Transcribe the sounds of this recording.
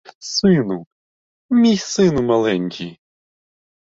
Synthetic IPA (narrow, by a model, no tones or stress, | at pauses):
sɪnu | mʲijsɪnumalˠɛnʲkʲi